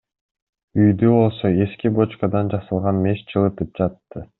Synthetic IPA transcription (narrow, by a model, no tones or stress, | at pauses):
yjd̪ybo̞lˠso̞e̞skibo̞t͡ʃkɑd̪ɑnd͡ʒɑsɯlˠʁɑnme̞st͡ʃʰɯlˠɯt̪ɯp̚d͡ʒɑt̪ːɯ